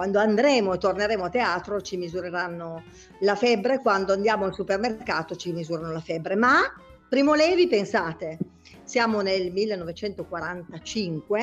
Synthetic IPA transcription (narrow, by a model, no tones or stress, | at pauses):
kwand̪oand̪ɾɛːmoet̪ːorneɾeːmoat̪ːeaːt̪ɾot͡ʃimizuɾeɾanːo | lafɛbːɾekwand̪oand̪jaːmoalsupermerkaːt̪ot͡ʃimizuːɾanolafɛbːɾema | pːɾiːmolɛvipensaːt̪e | sjaːmonelmilːenːɔvet͡ʃɛnt̪okwaɾant̪at͡ʃiŋkwe